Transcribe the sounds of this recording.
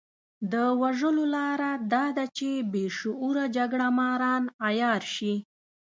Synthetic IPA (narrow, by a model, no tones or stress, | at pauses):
d̪əwaʒəlolɑɾad̪ɑd̪at͡ʃebeʃʊʔuɾad͡ʒaɡɽamɑɾɑnajɑɾʃi